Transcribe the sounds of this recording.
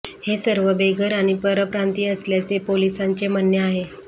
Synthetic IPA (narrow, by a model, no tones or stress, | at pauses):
hesəɾʋəbeɡʱəɾaɽ̃ipəɾəpɾant̪iːəsljat͡sepolisaɲt͡ɕemənjəaɦe